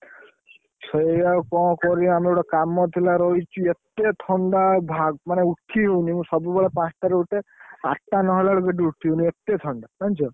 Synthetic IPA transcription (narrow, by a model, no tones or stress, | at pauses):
sɔjawkɔ̃kɔɾiamɾewʈɔkamɔt̪ʰilaɾɔɦit͡ʃʰuet̪et̪ʰɔɳɖabʱaɡmaneuʈʰːiɦewnimũsɔbubeɭepãst̪aɾeuʈea̰ʈːanɔɦɔlaɭɔɡeɖiuʈʰiɦoniet̪et̪ʰɔɳɖamant͡ʃʰɔ